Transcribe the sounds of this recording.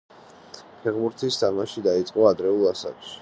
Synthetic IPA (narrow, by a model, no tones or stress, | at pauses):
pʰɛχbuɾt̪ʰist̪ʰamaʃid̪ait̪sʼqʼɔad̪ɾɛulˠasa̰kʃi̥